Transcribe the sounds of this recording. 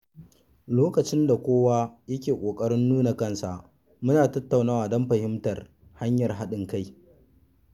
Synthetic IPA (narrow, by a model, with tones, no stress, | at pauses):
loː˦kɐ˨t͡ʃɪ˦nda˨kʷoː˦wa˦jɐ˦kʲeː˨kʷʼoː˨kʼɐ˦ɾɪ˦nːuː˦na˨kɐ˦nsa˨ʔ | mʊ˦naː˨tɐ˦tːa˨wnaː˦waː˨dɔ˦mɸɐ˨hɪ˦mtɐ˨r | ha˦ɲjɐ˨rɦa˦ɗɪ˨ŋka˦j